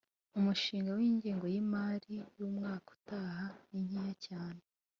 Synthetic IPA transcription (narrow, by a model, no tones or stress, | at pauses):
umuʃiːŋɡawiːɲɟeːŋɡo̞jimaːɾijuːmŋaːku̥taːhaniɲijacaːne